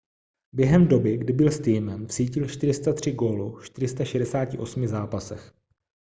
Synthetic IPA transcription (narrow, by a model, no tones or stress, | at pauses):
bjɛɦɛmdo̞bɪɡdɪbɪlst̪iːmɛmfsiːcɪlʃt̪ɪɾɪst̪at̪r̝̥ɪɡoːlufʃt̪ɪɾɪst̪aʃɛdɛsaːcɪʔo̞smɪzaːpasɛx